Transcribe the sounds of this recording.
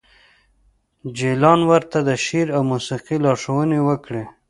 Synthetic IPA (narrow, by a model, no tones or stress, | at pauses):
d͡ʒelɑnwəɾt̪ad̪əʃiɾawmusiqilɑʂəwənewəkɽe